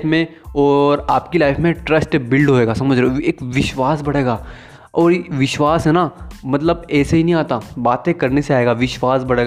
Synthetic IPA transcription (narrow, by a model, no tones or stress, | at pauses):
fmẽɔːɾaːpkilaːɪfmẽʈɾɐsʈbɪlɖɦoeːɡasɐməd͡ʒʱɾɛeːkʋɪʃʋaːsbɐɽ̤eːɡaː | ɔːɾʋɪʃʋaːsɦɛnamɐt̪ləbɛːseɦinɐɦĩaːt̪abaːt̪ẽkɐɾneseaːeːɡaːʋɪʃʋaːsbɐɽeːɡa